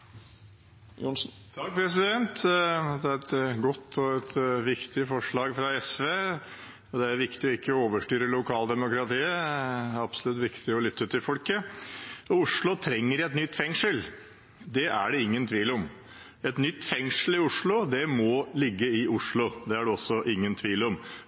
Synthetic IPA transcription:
jʊnsn | t̪ʰɑk̚pʰɾɛs̬ɪd̪ɛnt̪d̪ɛæɾɛt̪ɡɔt̪ʰːɔɛt̪ʋɪkt̪ʰɪfɔʂɭɑːɡfɾɑɛsʋeː | ɔd̪ɛæɾʋɪkt̪ɪɔɪkːəɔoːʋəʂʈyːɾəlʊkʰɑːld̪ɛmʊkɾɑt̪ʰiːəɑb̥sɔlʉt̪ʋɪkt̪ɪɔlʏt̪ːəʉːt̪ɪfɔlkə | ɔʊʂɭʊt̪ʰɾɛŋːəɾɛt̪nʏt̪ːfɛŋʂəl | d̪ɛʔæ̰ɖɛɪŋːənt̪ʰʋiːlɔm | ɛt̪nʏt̪ːfɛŋʂəlɪʊʂɭʊd̪ɛmɔlɪɡːəɪʊʂɭʊd̪ɛæɖɛɔsːɔʔɪŋːənt̪ʰʋiːlɔm

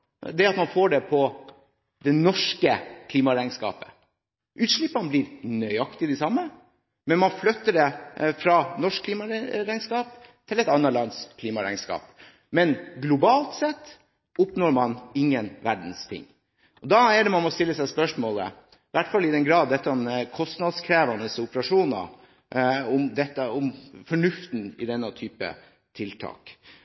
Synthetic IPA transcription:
d̪ɛɑt̪mɑnfoːɖɛpʰɔ | d̪ɛnɔʂkəkʰliːmɑɾæɪŋskɑ̰ːpə̥ | ʔʉːt̪ʂɭɪpːɑnəblɪɾnœʏɑkt̪ɪd̪ɛsɑmːə | mɛnmɑnflœt̪ːəɖɛfɾɑnɔʂkʰliːmɑɾæɪŋskɑːpt̪ʰɪlɛɪt̪ɑnːəlɑnskʰliːmɑɾæ̰ɪŋskɑ̰ːp | mɛnɡlʊbɑːlt̪sɛt̪ː | ʊpnoːɾmɑnɪŋːənʋæɖn̩st̪ʰɪ̰ŋː | ɔd̪ɑːɛɖɛmɑnmɔst̪ɪlːəsæɪspœʂmoːlə̰ | ʋæʈfɑlːɪd̪ɛnɡɾɑːd̪ːɛt̪ːəkʰɔst̪nɑd̪skʰɾeːʋɑnəsʊpəɾɑʂuːnɑ̰ | ʊmd̪ɛt̪ːəʊmfɔɳʉft̪n̩ɪ̰d̪ɛnːət̪ʰyːpə̰ | t̪ʰɪlt̪ʰɑ̰ːk

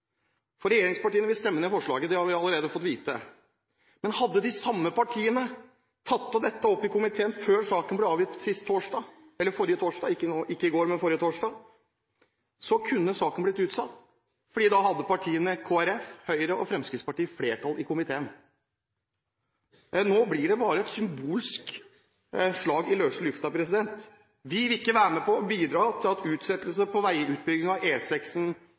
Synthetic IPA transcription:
fɔɾɛjeːɾɪŋspɑʈiːənʋɪlst̪ɛmːənɛfɔʂɭɑ̰ːɡəd̪ɛhɑɾʋɪɑləɾeːd̪əfɔt̪ːʋiːt̪ə | mɛnhɑd̪ːəd̪ɪsɑmːəpʰɑʈʰiːənə | t̪ʰɑt̪ːɔd̪ɛt̪ːəɔpːɪkʊmɪt̪ʰeːənføːɾsɑːkənblɛɑːʋjɪst̪sɪst̪ʰːoːʂɖɑː | ɛlːəɾfɔɾɪjət̪ʰoːʂɖɑːɪkːənːʔɪkːəɪɡoːɾmɛnfɔɾɪjət̪ʰoːʂɖɑː | sɔkʰʉnːəsɑːkənblɪt̪ʉːt̪sɑt̪ː | fɔɖiːd̪ɑɦɑd̪ːəpɑʈʰiːənəkʰoːæɾɛfhœʏɾəʔɔfɾɛmskɾɪt̪spɑʈiːəfleːʈʰɑlɪkʊmɪt̪ʰeːən | noːblɪɖɛbɑːɾəɛt̪sʏmbuːlsk | ʂɭɑːɡɪløːt̪l̩ʉft̪ɑpʰɾɛsɪd̪ɛnt̪ | ʋɪʋɪɪkːəʋæːɾəmɛpɔbiːd̪ɾɑːt̪ʰɪlɑt̪ʉːt̪sɛt̪ːəlsəpʰɔʋæɪʉːt̪̚bʏɡɪŋɑʋeːsɛksn̩

